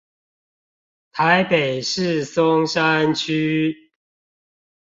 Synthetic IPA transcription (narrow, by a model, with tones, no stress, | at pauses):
t̪ʰa˨˦ɪpe˨˩ɪʂɻ̩˥˨sʊ˦ŋʂa˦nt͡ɕʰy˦